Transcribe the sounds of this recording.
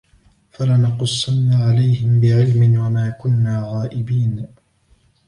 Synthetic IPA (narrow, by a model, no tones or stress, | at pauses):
falanɑqʊsˤːɑnːaʕalajhɪmbɪʕɪlmɪnwamaːkʊnːaːɣaːʔɪbiːn